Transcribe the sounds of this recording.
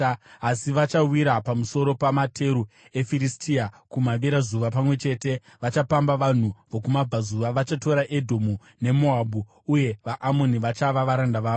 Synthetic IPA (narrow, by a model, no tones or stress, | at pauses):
asiʋat͡ʃawiɾapamuso̞ɾo̞pamatʰe̞ɾu | e̞firistʰiakumaʋiɾazuʋapamwe̞t͡ʃe̞ːte̞ | ʋat͡ʃapambaʋan̤uʋokumab͡vazuʋaʋat͡ʃato̞ɾaʔe̞dʱo̞mu | ne̞mo̞abu | uje̞ʋaʔamo̞niʋat͡ʃaʋaʋaɾandaʋaːʋo